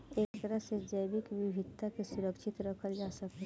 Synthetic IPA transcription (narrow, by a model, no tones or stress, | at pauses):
eːkt̪əɾəɦsed͡ʒəjbɪkʋiʋʱɪt̪ːakesʊɾəkʃɪt̪ɾəkʰəɾd͡ʒaːsɐk̪e